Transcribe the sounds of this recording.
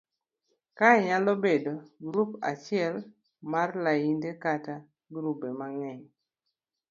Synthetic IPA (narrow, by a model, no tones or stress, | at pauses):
kaɲalobedoɡɾupa̰t͡ʃɪɛl | marlajindekata | ɡɾubemaŋɛɲ